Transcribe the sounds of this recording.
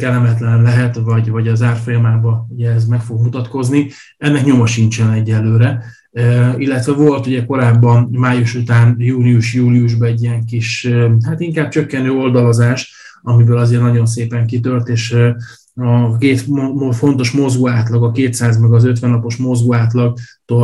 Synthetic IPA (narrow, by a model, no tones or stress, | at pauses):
kɛlɛmɛt̪lɛnɛmlɛɦɛt̪vɒɟvɒɟɒzaːrfo̞jɒmaːbɒuɟɛɛzmɛkfo̞ɡmut̪ɒt̪ko̞zni | ɛnːɛkɲo̞mɒʃint͡ʃɛnɛɟːɛlːøːɾɛ | ilːɛt̪ʋɛvo̞lt̪uɟɛko̞ɾaːbːɒnmaːjuʃut̪aːnjuːlijuʃjuːliuʒbɒɛɟːijɛŋkiʃɦaːt̪iŋkaːb̚t͡ʃø̞kːɛnøːo̞ld̪ɒlozaːʃ | ɒmibøːlɒzeːrnɒɟo̞ns̬eːpɛŋkit̪ølt̪eːʃ | ɒkeːt̪ofo̞n̪t̪o̞ʃmo̞zɡoaːt̪lɒɡɒkeːt̪saːzmɛɡɒzø̞t̪ʋɛnːɒpo̞ʃmo̞zɡoaːt̪lɒɡt̪oː